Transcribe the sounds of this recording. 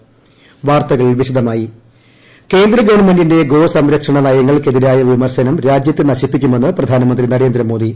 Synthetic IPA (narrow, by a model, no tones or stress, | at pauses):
ʋaːrt̪ɐɣɐɭʋiɕid̪ɐmaːji | ke̞ːnd̪ɾɐɡɐʋɐɳme̞ndinde̞ɡo̞ːsɐmɾɐkʂɐɳɐnɐjɐŋːɐɭke̞ðiɾaːjɐʋimɐrɕɐnɐmɾaːd͡ʑjɐt̪ːenɐɕipːikʲːume̞nːɨprɐd̪ʱaːnɐmɐnd̪rinɐɾe̞ːnd̪ɾɐmoːd̪i